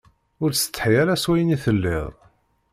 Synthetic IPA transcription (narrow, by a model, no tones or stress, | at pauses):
ʊɾsə̥t͡s̪ːħijaɾæswæjəniθəlːɪ̰ðˤ